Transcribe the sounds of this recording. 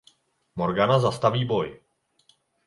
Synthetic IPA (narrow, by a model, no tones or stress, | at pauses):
moɾɡanazast̪aviːboj